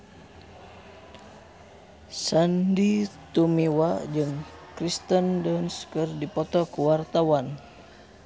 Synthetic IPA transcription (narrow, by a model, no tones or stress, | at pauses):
sandit̪umiwad͡ʒɨŋ | kɾist̪əndɔnskɨrdipɔt̪ɔkuwart̪awan